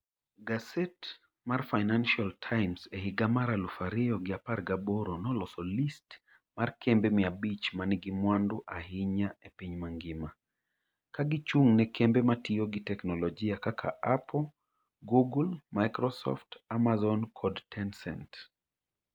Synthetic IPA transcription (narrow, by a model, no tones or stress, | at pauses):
ɡasɛt | marfajnanʃialtʰajmsɛɦiɡamaɾalufaɾɪɔɡɪaparɡabɔɾɔnɔlɔsɔlist | markʰɛmbɛmiabit͡ʃmaniɡimwanduʔaɦiɲaepiɲmaŋɡɪma | kaɡit͡ʃuŋnɛkʰɛmbɛmatiɔɡitɛknɔlɔd͡ʒiakakʰa̰ʔapɔ | ɡuɡulmajkɾɔsɔ̰ftamazɔnkʰɔdtʰɛnsɛ̰nt